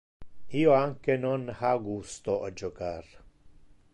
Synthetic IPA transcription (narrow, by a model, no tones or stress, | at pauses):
ioaŋkenonhaɡust̪oʔad͡ʒokaːɾ